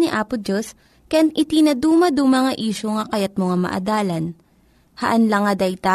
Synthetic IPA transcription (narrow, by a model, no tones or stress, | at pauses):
niʔaːpʊd͡ʒos | kɐjanʔɪt̪inɐd̪uːmɐd̪ʊŋmɐŋaʔiːʃoŋɐkɐjɐt̪̚moŋamɐ̰ʔɐ̰d̪aːlɐn | hɐʔɐnlɐŋɐd̪ɐjt̪a